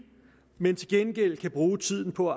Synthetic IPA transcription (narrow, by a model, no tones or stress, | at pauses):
ment͡sʰe̝lɡ̥enɡ̥el̰kʰæb̥ʁuːt͡sʰið̞̰ˠn̩pʰɒ̽æ